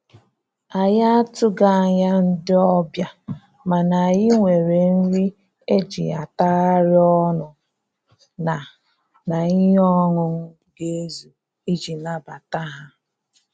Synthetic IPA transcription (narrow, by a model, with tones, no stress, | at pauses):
a˨ja˦a˦tʊ˦ɡa˦a˨ɲa˦n̩˦dɪ˦ɔ˦bja˦ | ma˨na˨a˨jɪ˦ŋʷe˨ɾe˨n̩˦ɾi˦ | e˦d͡ʒḭ˨a̰˨ta˦a˦ɾɪ˦ɔ˦nʊ˨ | na˨ | na˨i˦ɦɔ˦ŋʊ˨ŋ̩˦ | ɡe˦e˦zu˨ | i˦d͡ʒi˨na˦ba˨ta˦ɦa˦